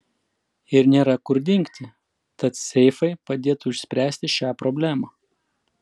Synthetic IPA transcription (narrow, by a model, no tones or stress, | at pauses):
ɪɾnʲeːɾɐkʊɾʲd̪ʲɪŋʲkt̪ʲɪ | t̪ɐt̪sʲɛɪfɐɪpɐd̪ʲeːt̪ʊɪʃʲsʲpʲɾʲæːsʲt̪ʲɪʃʲæːpɾɔːbʲlʲæːmɑː